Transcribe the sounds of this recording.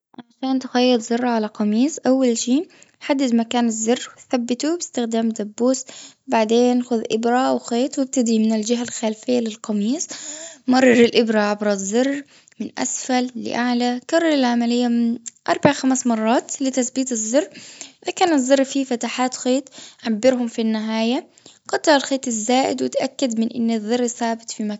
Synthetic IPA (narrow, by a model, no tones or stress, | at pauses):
ʕaʃaːnt̪ʊxajːɪd̪zɑrˤːʕalaqɑmiːsˤʔawːalʃiːħad̪ːɪd̪makaːnɪzːɪrːwɪθabːɪt̪ubɪst̪ɪxd̪aːmd̪abːuːsbaʕd̪eːnxʊðʔɪbɾawxeːt̪wɪb̚t̪ad̪imɪnɪld͡ʒɪɦalxaːlfɪjːalɪlqɑmiːsmɑrˤːɑɾɪlʔɪbɾaʕabɾˤɑzˤːɑrˤː | mɪnʔa̰sfalːɪ̰ʔaʕlakɑrˤːɑɾˤɪlʕamalɪjːamɪnʔɑɾˤbaʕaxamsmɑrˤːɑːt̪lɪt̪asbiːt̪ɨzˤːɨrˤːʔɪðakaːnɨzˤːɑɾˤːfifat̪aħaːt̪xeːt̪ʕabːɪɾhʊmfinːɪɦaːja | qɑt̪ˤːɑɾalxeːt̪ɪzːaːʔɪ̰d̪wɪt̪ʔakːad̪mɪnʔɪ̰nːɪðˤːɨrˤːθaːbɪt̪ˤfima